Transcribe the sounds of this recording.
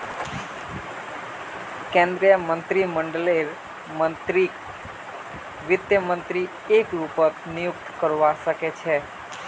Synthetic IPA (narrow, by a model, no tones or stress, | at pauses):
kẽnd̪ɾijəmənt̪ɾiməɳɖleɾ | mɾi | ʋɪd̪jəmənt̪ɾi | ekɾupəɾnijʊk̚t̪kəɾʋaʃəket͡ʃʰe